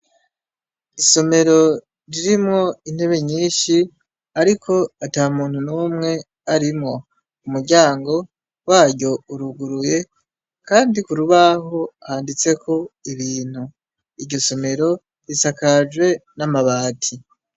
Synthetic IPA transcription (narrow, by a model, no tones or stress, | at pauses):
iso̞me̞ɾo̞ | ɾiɾimŋo̞in̥he̞βe̞ɲiːʃi | aɾikʰo̞atamuːn̥hunuːmŋe̞ | aɾimŋo̞ | umuɾɟaːŋɡo̞ | waːɾɟo̞uɾuɡuɾuje̞ | kaːndikuɾuβaho̞haːndit͡se̞kʰo̞iβiːn̥hu | iɾɟo̞so̞me̞ɾo̞ | ɾisakad͡ʒwe̞namaβaːtʰi